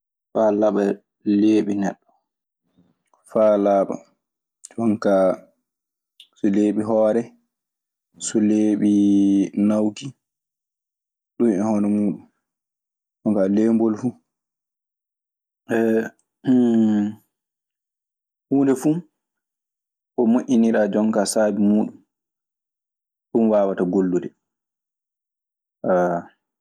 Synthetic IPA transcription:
falaɓa | leːɓinɛɗːɔ | falaːɓa̰ | ɔŋka | sɔleːɓiɦɔːɾɛ | sɔleːɓinawki | ɗunɛhɔnɛmuːɗum | d͡ʒɔŋkalembɔlfu | ʔɛ | h | huːndɛfu | ɓɔmoʔiniɾaːd͡ʒɔŋkasaːbimuːɗum | ɗumwaːwataɡolːudɛ | ʔa

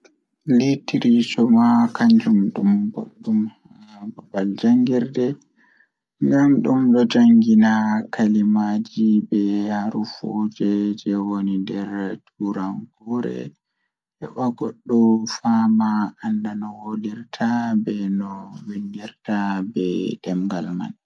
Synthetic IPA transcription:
litiɾisɔmakaɲd͡ʒumɗumbo̰ɗːum | babald͡ʒaŋɡiɾdɛ | ŋɡamɗumɗɔd͡ʒaŋɡinakʰalimad͡ʒibɛhaɾufod͡ʒɛd͡ʒɛwonindɛɾtʰuɾanɡɔɾɛ̰ | ʔɛ̰ɓaɡɔɗːɔfamaːndanɔwoliɾtʰabɛnɔwindiɾtabɛd̥ɛmɡalma̰n

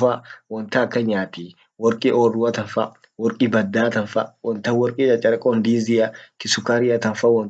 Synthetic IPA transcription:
fɐwɔnt̪ɐːkːɐɲaːt̪i | wɔɾkʼiʔoːrːʊwɐt̪ɐnfɐ | wɔɾkʼibɐd̪ːaːt̪ɐnfɐ̰wɔnt̪ɐwɔɾkʼiːt͡ʃʼɐt͡ʃʼɐɾɐkʼɔnd̪iːzɪjɐkɪsʊkaɾɪjɐt̪ɐnfɐwɔn

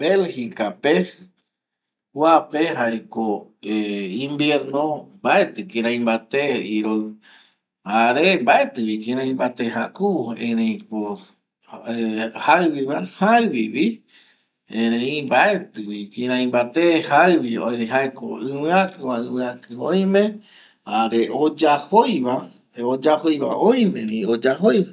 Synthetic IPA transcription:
belhikape | huapeɦaekoeĩmbjeɾnõmbaet̪ɨkĩɾ̃ãĩmbat̪eiɾow | aɾembaet̪ɨwikĩɾ̃ãĩmbat̪eɦakuẽɾẽĩko | haɨwiβahaɨwiwi | ẽɾẽĩbae̞t̪ɨwikĩɾ̃ãĩmbat̪ehaɨwio̰jeɦaeko̰ɨ̃wɨ̃ãkɨwaɨ̃wɨ̃ãkɨõj̃mẽ | aɾeʔod͡ʒahojβa | od͡ʒahojβa̰ʔõj̃mẽnĩod͡ʒaɦojβa

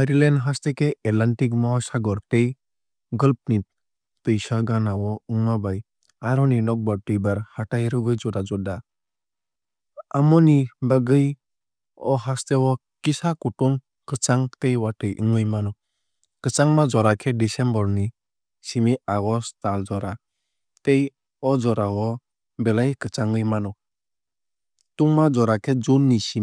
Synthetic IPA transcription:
aɾilenɦast̪ekeʔɛlaɳʈikmɔɔsaɡɔɾtej | ɡɔlp̚ni | t̪ɯjsaɡanawɔuŋabaj | aɾɔninɔk̚bɔɾʈɯjbaɾhaʈajɾɯɡɯjd͡ʒɔdad͡ʒɔda | amɔnibaɡɯj | ɔɦast̪ewɔ | kisakutuŋ | kɯt͡ʃaŋtejwatɯjʔɯŋɯjmanɔ | kɯt͡ʃaŋmad͡ʒɔɾakʰɛdisɛmbɔɾni | simiaɡɔstald͡ʒɔɾa | tej | ɔd͡ʒɔɾawɔ | bɛlajkɯt͡ʃaŋɯjmanɔ | tuŋmad͡ʒɔɾakʰɛd͡ʒunːisi

